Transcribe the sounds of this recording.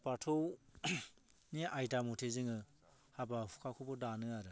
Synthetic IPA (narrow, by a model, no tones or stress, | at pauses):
patʰow | niʔajtamutʰezɯŋɯ | habahu̥kʰakʰubɔdanɯaɾɯ